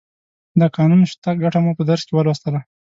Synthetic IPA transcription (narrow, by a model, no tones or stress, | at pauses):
d̪əkɑnunʃt̪ak̚ɡaʈamupəd̪aɾskewəlwast̪əla